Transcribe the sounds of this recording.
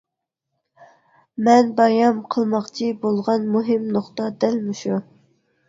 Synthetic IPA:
mɛnbɑjɑmqʰəlˠmɑqt͡ʃʰibolˠʁɑnmuɦɪmnoχt̪ɑd̪ɛlmuʃu

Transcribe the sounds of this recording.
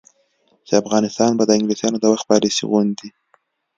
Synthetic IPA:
seafɣɑnɪst̪ɑnbad̪əɪŋɡlisjɑnod̪əwax̚pɑlisḭɣʊnd̪i

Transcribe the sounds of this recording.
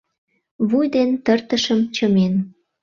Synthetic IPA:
βujd̪ent̪ərt̪əʃəmt͡ɕəmen

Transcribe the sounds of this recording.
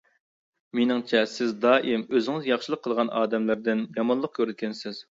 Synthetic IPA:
menɪŋt͡ʃʰɛsɪzd̪ɑːʔimøzɪŋɪzjɑχʃəlˠəqʰːəlˠʁɑnʔɑːd̪ɛmlɪɾd̪ɪnjɑmɑnlˠəq̚kʲʰøɾɛt̪̚kʲɛnsɪz̥

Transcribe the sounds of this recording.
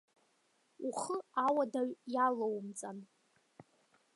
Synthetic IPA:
uχəawadaɥjalowmt͡sʼan

